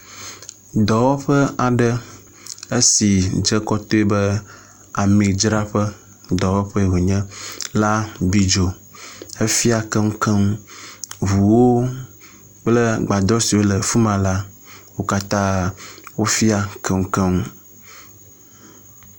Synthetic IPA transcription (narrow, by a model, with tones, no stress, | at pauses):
d̪ɔ˨wɔ˦ɸə˦a˨ɖə˦ | e˦si˨d͡ʒə˦kɔ˦t̪o˦e˦bə˦ | a˨mĩ˨d͡ʒɾa˦ɸə˦ | d̪ɔ˨wɔ˦ɸə˦˨wo˨ɲɛ̃˦la˦bi˦d͡ʒo˨ | ə˦fi˦a˨kə˦ŋu˦kə˦ŋu˦ | vu˨wo˦ | k͡plə˦ɡ͡ba˨d̪ɔ˦si˨wo˦lə˨fu˦mã˨la˦wo˦ka˦t̪ã˦wo˦fi˦a˨kə˦ŋ̩˦kɛ˦ŋu˦